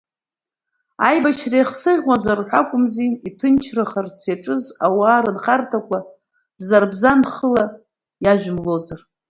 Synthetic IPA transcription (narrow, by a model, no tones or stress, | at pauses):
a̰jbaʃrajχsɨʁʲwazarħʷakʷʼʊmziitʰɨnt͡ʃʰrɨχart͡sʰeʈ͡ʂʼɨzawaːɾɨnχartʰakʷʼa | b̥zarbzanχəla | jaʒʷᶣmlozar